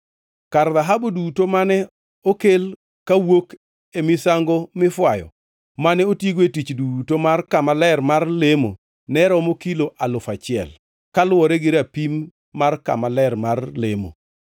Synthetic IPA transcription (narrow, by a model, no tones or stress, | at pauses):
karðaɦabodutomanɛ | okel | kawok | emɪsaŋɡomɪfwajɔ̰ | manɛotjeɡwetit͡ʃdutomarkamalɛrmarlemo̰ | nɛɾɔmokiloʔalʊfat͡ʃɪɛ̰l | kalwɔɾɛɡɪɾapimː | arka̰malɛrmarlemo̰